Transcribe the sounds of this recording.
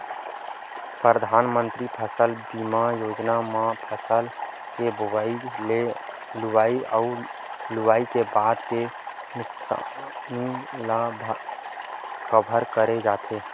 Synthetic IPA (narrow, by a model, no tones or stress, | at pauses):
pɾəd̪ʱanmənt̪ɾipʰəsəlbimajod͡ʒnamãpʰəsəl | kebaile | luʋaiauluʋaikebad̪ke | nʊksa̰nilabʱ | kəbʱəɾkəɾed͡ʒat̪ʰe